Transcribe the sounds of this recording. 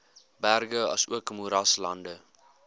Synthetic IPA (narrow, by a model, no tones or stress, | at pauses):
bærɡəɐ̰suəkəmuɾɐslɐndə